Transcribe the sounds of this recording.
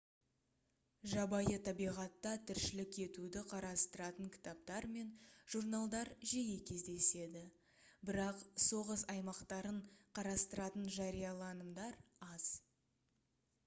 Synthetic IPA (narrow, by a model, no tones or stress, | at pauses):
ʒɑbɑjət̪ʰɑbijʁɑt̪ːɑt̪ʰɪɾʃɪlɪkʲʰe̞t̪ud̪ɪqʰɑɾɑst̪əɾɑt̪əŋkʲʰɪ̥t̪ap̚t̪ɑɾme̞nʒ̥urnalˠd̪ɑɾʒejekʲʰe̞zd̪e̞se̞d̪ɪ | bɪɾɑqso̞ʁəsɑjmɑqt̪ɑɾəɴqʰɑɾɑst̪əɾɑt̪ənʒɑɾijɑlˠɑnəmd̪ɑɾɑz̥